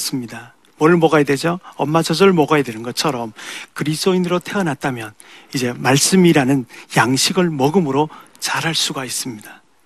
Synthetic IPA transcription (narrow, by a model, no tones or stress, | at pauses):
s͈ɯmɲida | mwʌɾɯɭmʌɡajedwe̞d͡ʑoʌmːad͡ʑʌd͡ʑʌɭmʌɡajedwe̞nɯnɡʌt͡ɕʰʌɾʌmkɯɾisʰt͈oinɯɾotʰe̞ʌnat̚t͈amjʌn | id͡ʑe̞maɭs͈ɯmiɾanɯnjaŋɕʰiɡɯɭmʌɡɯmɯɾo | t͡ɕaɾɦaɭs͈uɡais͈ɯmɲida